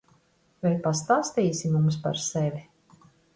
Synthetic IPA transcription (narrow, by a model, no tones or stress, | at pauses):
vɛjpast̪aːst̪iːsimumspa̰ɾsɛvʲi